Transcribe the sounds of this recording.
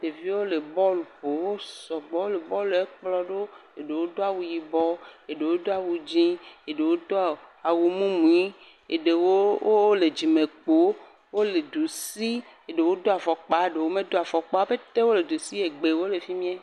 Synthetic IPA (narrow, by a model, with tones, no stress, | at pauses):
ɖe˨vi˦wo˦le˨bɔ˦lu˨po˨wo˦sɔ˨ɡ͡bɔ˦wo˦le˨bɔ˦le˦k͡plɔ˦ɖo˦e˨ɖe˨wo˦d̪o˦a˨wu˨ji˨bɔ˦e˨ɖe˨wo˦d̪o˦a˨wu˨d͡ʑĩ˦e˨ɖe˨wo˦d̪o˦˨a˨wu˨mũ˦mũ˨i˦ | ḛ˨ɖe˨wo˦wo˦le˨d͡ʑi˨mẽ˨k͡po˨˦ | wo˦le˨d̪u˨si˦ | e˨ɖe˨wo˦d̪o˦a˨fɔ˨k͡pa˨˦ɖe˨wo˦mẽ˦d̪o˦a˨fɔ˨k͡pɔ˦a˦be˦t̪e˦wo˦le˨d̪u˨si˦e˨ɡ͡be˨wo˦le˨fi˦mĩ˦ɛ˦